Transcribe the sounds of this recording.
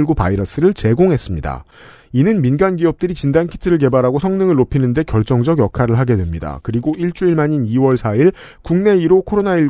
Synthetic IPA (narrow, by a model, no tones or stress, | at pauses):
ɭɡupa̰iɾʌs͈ɯɾɯɭt͡ɕe̞ɡoŋɦe̞s͈ɯmɲida̰ | inɯnminɡanɡiʌp̚t͈ɯɾit͡ɕindankʰi̥tʰɯɾɯɭk̬e̞baɾɦaɡosʰʌŋnɯŋɯɭːopʰinɯnde̞kjʌɭt͡ɕ͈ʌŋd͡ʑʌɡjʌkʰaɾɯɭɦaɡe̞dwemɲida̰kɯɾiɡoiɭt͡ɕ͈uiɭmaɲiniwʌɭsʰaiɭ | kuŋne̞iɾokʰoɾonaiɭ